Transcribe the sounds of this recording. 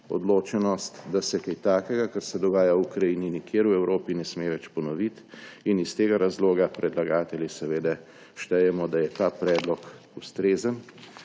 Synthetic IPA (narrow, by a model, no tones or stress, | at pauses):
ɔ̰d̪loːt͡ʃɛnɔst̪d̪asɛkɛjt̪aːkɛɡakəɾsɛd̪ɔɡaːjaukɾajininikjeːɾwɛwɾoːpinɛsmeːʋɛt͡ʃpɔnɔʋit̪inist̪eːɡaɾazloːɡapɾɛd̪laɡaːt̪ɛljisɛʋeːd̪ɛ | ʃt̪ɛjɛmɔd̪ajɛt̪aːpɾɛːd̪lɔk | ust̪ɾeːzən